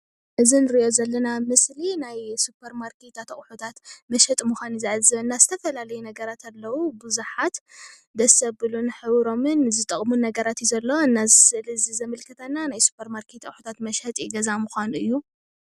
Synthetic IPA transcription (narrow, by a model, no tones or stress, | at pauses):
ʔɨzinɨɾiʔo̞zɐlːɐnamɨslinajsupʰːɐɾmaɾket̪at̪ɐχʼħut̪ʰat̪mɐʃhɐt̪ʼmuxʷanizaʕazɨβɐnːazɨt̪ʰɐfɐlalɐjunɐɡɐɾat̪ʰalːɐwubɨzuħat̪ | d̪ɐsɐbɨlunħɨβɾo̞mɨnzɨt̪ʼɐχʼmunɐɡɐɾat̪jizɐlːoɨnːazɨsɨʔɨlzizɐmɨlkʰɨt̪ʰanːanajsu̥pʰːɐɾmaɾkʰet̪ʰɐχʼħut̪ʰat̪mɐʃhɐt̪ʼiɡɐzamuxʷanuɨjːu